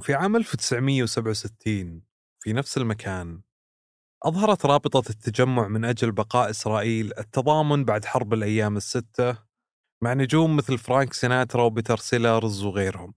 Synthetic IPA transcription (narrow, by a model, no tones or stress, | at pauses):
fiʕaːmʔalfut̪ɪ̥sʕmɪjːawsabʕawsɪt̪ʰːiːn | wfinafsɪlmakʰaːn | ʔɑðˤhɑɾˤɑt̪ɾˤɑːbɨt̪ˤɑt̪ʰːad͡ʒamːʊʕmɪnʔad͡ʒalbɑqɑːʔɪsɾˤɑːʔiːlɪt̪ːɑðˤɑːmʊnbaʕd̪ħɑɾˤbɪlʔajːaːmɪsːɪt̪ːa | maʕnʊd͡ʒuːmːɪθlfɾaːŋksɪnaːt̪ɾˤɑwbɪt̪ɑɾˤsɪlaɾˤɪzwɣeːɾhʊm